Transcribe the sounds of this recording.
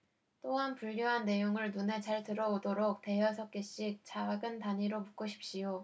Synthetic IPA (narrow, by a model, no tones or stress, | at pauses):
t͈oɦanpuɭːoɦanːe̞joŋɯɭnune̞t͡ɕaɭtɯɾʌodoɾok̚te̞jʌsʰʌk͈eɕ͈ik̚t͡ɕaɡɯntaɲiɾomuk͈oɕʰi̥p̚ɕ͈ijo